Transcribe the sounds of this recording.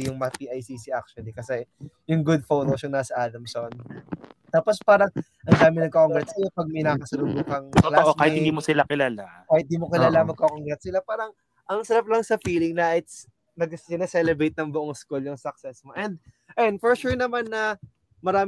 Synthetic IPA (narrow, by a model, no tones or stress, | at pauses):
jʊŋmɐpiːʔɐjsisiʔak̚ʃʊɐnlikɐsɛjʊŋɡʊd̪̚fot̪oʃʊŋnaːsɐʔaːd̪ɐmsont̪aːpo̞spaːɾɐŋ | ʔɐŋd̪aːmɪnɐŋkɐoŋɡɾɛt̪̚sɐjopɐɡ̚mɐjnakɐsɐlʊbuːkɐŋolaʔoaːhɪtd̪imosɪlakɪlaːlakaːhɪt̪̚d̪imokɪlaːlamɐɡ̚kokoŋɡɾɛt̪sɪlapaːɾɐŋ | ʔɐŋsɐɾɐp̚lɐŋsɐfiːlɪŋnɐʔɪt̪s | nɐɡsɪnɐsɛlɛbɾejt̪̚nɐŋbʊʔoŋskuljʊŋsɐk̚sɛsmoʔɛnd̪̚ | ʔɛnd̪fɔɹʃuɹnɐmanːɐ | mɐɾaː